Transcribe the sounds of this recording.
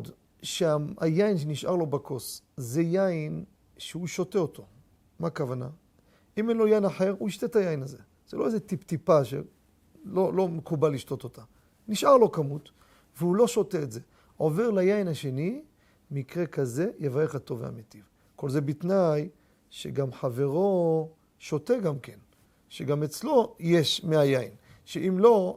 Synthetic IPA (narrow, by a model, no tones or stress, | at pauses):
d | ʃeaa̰jainʃ̬eniʃʔa̰ʁlo̞bakʰo̞szejain | ʃeuʃo̞te̞ot̪ʰo̞ | makavana̰ | imenlo̞jainaħe̞ʁuiʃt̪et̪ajainaze | z̥elo̞ezet̪ipt̪ipaʃḛ | lolo̞mekubalːiʃt̪o̞t̪o̞t̪a | niʃʔaʁlo̞kamut̪ | veulo̞ʃo̞teːtze̞ | ʔo̞ve̞ʁlajainaʃe̞ni | mikʁe̞kaze̞jevajeχhat̪o̞vea̰met̪iv | ko̞lze̞bit̪naj | ʃe̞̰ɡamħave̞ʁo̞ | ʃo̞te̞ɡamke̞n | ʃeɡamet͡slo̞jeʃmeajainʃeʔimlo̞